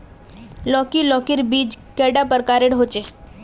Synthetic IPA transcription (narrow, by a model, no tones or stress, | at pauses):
lɔːkilɔːkɪɾbiːd͡ʒkeːɖapəɾkaːɾeɽɦot͡ʃe